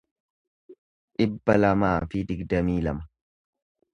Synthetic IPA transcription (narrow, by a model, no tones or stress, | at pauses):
ᶑʔɪbːɐlɐmaːfɪd̪ɪɡd̪ɐmiːlɐmɐ